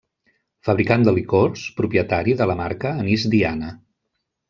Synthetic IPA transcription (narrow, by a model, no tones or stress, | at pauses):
fəβɾikand̪əlikorspɾupjət̪aɾiðələmaɾkəːnizd̪ianə